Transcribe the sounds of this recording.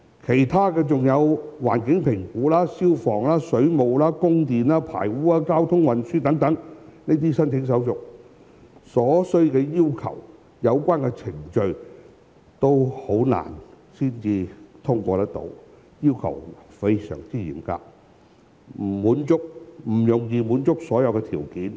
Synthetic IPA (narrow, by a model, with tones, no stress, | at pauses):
kʰe˨˩jt̪ʰaː˥kɛː˧t͡sʊ˨ŋjɐ˨˧wwa̰ː˨˩nkɪ˨˥ŋpʰɪ˨˩ŋkuː˨˥laː˥siː˥wfɔː˨˩ŋlaː˥sɵ˨˥ɥmo˨wlaː˥kʊ˥ŋt̪iː˨naː˥pʰa̰ː˨˩jwuː˨˥aː˧kaː˥wt̪ʰʊ˥ŋwɐ˨nsyː˥t̪ɐ˨˥ŋt̪ɐ˨˥ŋneː˥t̪iː˥sɐ˥nt͡sʰɪ˨˥ŋs̬ɐ˨˥wsʊ˨k̚ | sɔː˨˥sɵ˥ɥkɛː˧jiː˥wkʰɐ̰˨˩w | jɐ˨˧wkʷaː˥nkɛ˧t͡sʰɪ˨˩ŋt͡ʃɵ˧ɥ | t̪o˥who˨˥wna̰ː˨˩n | siː˥nt͡siː˨˧t̪ʰʊ˥ŋkʷɔː˧t̪ɐ˥k̚t̪o̰˧˥w | jiː˥wkʰɐ̰˨˩wfe˥jsœ̰ː˨˩ŋt͡siː˥jḭː˨˩mka̰ː˧k̚ | m̩˨˩muː˨˥nt͡sʊ˥k̚m̩˨˩jʊ˨˩ŋjiː˧muː˨˥nt͡sʊ˥k̚sɔː˨˥jɐ˨˧wkɛ˧t̪ʰiː˨˩wkiː˨˥n